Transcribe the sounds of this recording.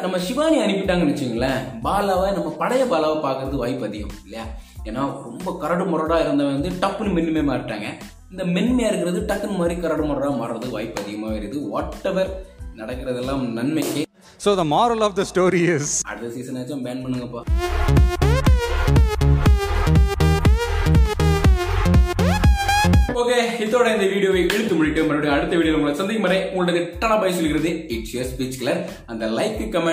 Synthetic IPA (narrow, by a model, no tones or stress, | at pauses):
nɐmːɐʃɪʋaːniɐnɪpːɪʈːaːŋɡɐnɪt͡ʃːɪjŋɡɐlːɐbaːlaːʋɐnɐmːɐpɐɽɐjɐbaːlaːʋɐpaːɾkɪɾɐðɯʋaːjɪpːɐðɪɣɐmɪlːɐjaː | eːnːaːɾɔmbɐkɐɾɐɽɯmɔɾɐɽaːɪɾɯnd̪ɐʋɐnd̪ɯʈɐpːnɯmɛnːmeːmaːɾɪʈːa̰ːŋɡɐ | ɪnd̪ɐmɛnːmeːɪɾɯkːɪɾɐðɯʈɐkːɯnɐmaːd̪ɾikɐɾɐɽɯmɔɾɐɽaːmɐɾːɐðɯʋaːjɪpːɐðɪɣɐmaːɪɾðɯʋɔːʈːɛʋɐɾnɐɽɐkːɪɾɐðɛlːãːnɐnmɛkːe | soːðɐmɔːɾɐlɔʋd̪ɐsʈoːɾiɪzɐ̰ɽðɐsiːsɐnɐːt͡ʃːãːmbeːɳpɐɳːɯŋɡɐpːaː | poːkeːɪðoːɽɐɪnd̪ɐʋiːɽɪjoːʋɐɪʔɛɻɯt̪ːɯmʊɻɪʈːɯmɐɾɐɽiɐɽɯt̪ːɐʋiːɽɪjɐlʊŋɡɐɭɐsɐnd̪ɐɣmɐɾɐɪʊŋɡɭɐɐðɪʈːɐɳɐbɐːsɔlːɣɪɾɐðɯɪt͡ʃespiːt͡ʃkɪlɐɾ | ɐnd̪ɐlɐɪkːɯkːɐmɛ